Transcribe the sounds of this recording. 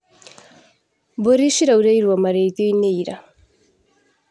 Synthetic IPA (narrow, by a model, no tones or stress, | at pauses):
boɾiʃiɾauɾejɾwamaɾet̪joineiɾa